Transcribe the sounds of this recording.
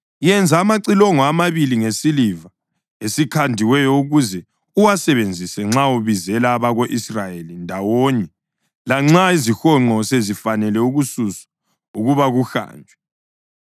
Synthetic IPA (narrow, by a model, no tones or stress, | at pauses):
jɛnd͡zʱaːmaǀilɔŋɔamaβiliŋesiliva | esikʰandʱiwɛjɔuɣuzɛ | uwasɛβend͡zʱisɛŋ͡ǁauβizɛlaːβaɣoʔisrajelindʱawoɲɛ | laŋ͡ǁaizixɔŋ͡ǃɔsezifanɛlɛuɣususḁ | uɣuβaɣuxa̰ːnd͡ʒʱwɛ